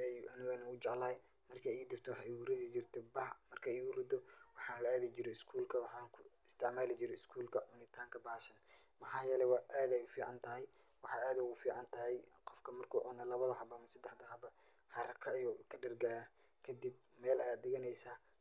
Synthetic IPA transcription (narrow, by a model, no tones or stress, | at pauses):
ɛjʔɐnɪɣɐnɐʊt͡ʃɑʕlɐː | mɐrkʰɐiːd̪ɪrt̪ʰɔwɑħɑːʔiɡʊɾɪðɪt͡ʃɪrt̪ʰɛbɐhmɐrkʰɐɪːɡʊrɪd̪ɔwɑħɑːnlɐaːðɪt͡ʃɪɾɛɪskʰuːlkʰɐwɑħɑːŋkʰʊɪst̪ʰɪʕmaːlɪt͡ʃɪɾɛɪskʰuːlkʰɐʊnɪt̪ʰaːŋkʰɐbaːʃɐnmɐħɑːjɛlɛwɑːʔaːðɛjʊfiːʕɑnt̪ʰɐɦɛj | wɑħɑːaːðɐʊɣʊfiːʕɑnt̪ʰɐɦɛjqɔfkʰɐmɐrkʰuːʕʊnɐlɐβɐðɐɦɐbɐmɐsɐd̪ɛħd̪ɐɦɐbɐ | hɑɾɐkʰɐjɔːkʰɐɖɐrɡaːjɐ | kʰɐd̪ib̚ | mɛːlɐjaːd̪ɪɣɐnɛjsaː